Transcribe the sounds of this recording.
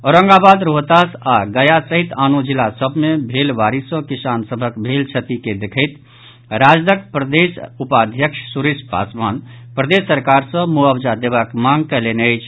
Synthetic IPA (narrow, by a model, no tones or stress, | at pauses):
ɔːɾə̃ŋɡabaːd̪ɾoːɦt̪aːsaɡəjasəɦit̪aːnod͡ʒilasəbʱmebʱeːlʋaːɾisə̃kɪsaːnsəbʱəkbʱeːlt͡ʃʰət̪iked̪ekʰəɪt̪ | ɾaːd͡ʒd̪əkpɾəd̪eːsupaːd̪ʱjəkʃsuɾispa̰ːsmaːn | pɾəd̪esːəɾkaːɾsə̃moəbd͡ʒad̪eːʋakmaːŋɡkəleneəɪt͡ʃʰ